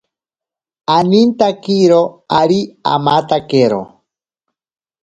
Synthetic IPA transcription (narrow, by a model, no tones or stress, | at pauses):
anint̪akiɾoaɾia̰mat̪akeɾo̰